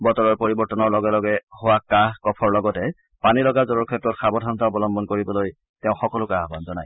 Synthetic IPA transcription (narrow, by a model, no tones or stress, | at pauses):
bɔtɔɹɔɹpoɹibɔɹtɔnɔɹlɔɡɛlɔɡɛhowakaɦkɔpʰɔɹlɔɡɔtɛ | panilɔɡazɔɹɔɹkʰɛtɹɔtxabɔdʱɔntaɔbɔlɔmbɔnkoɹibɔloj | teʊ̃xɔkɔlʊkaɦbanzɔnaj